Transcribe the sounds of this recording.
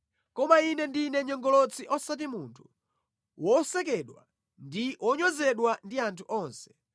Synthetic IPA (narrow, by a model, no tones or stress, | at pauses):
kɔmainɛndinɛɲɔŋɡɔlɔt͡siʔɔsat̬imuntʰu̥ | wɔsɛkɛɗwa̰ | ndiwɔɲɔzɛɗwandiantʰuʔɔːnsɛ̥